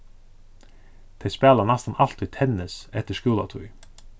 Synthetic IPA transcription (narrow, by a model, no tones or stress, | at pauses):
t̪ʰɛjspæːlanæst̪anɑl̥t̪ʏt̪ʰɛnɪsɛht̪əʂkuːla̰t̪ʰuj